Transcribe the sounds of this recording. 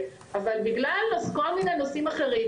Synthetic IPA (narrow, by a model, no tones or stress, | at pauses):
avalbiɡlalːazko̞lminenosimaχe̞ʁi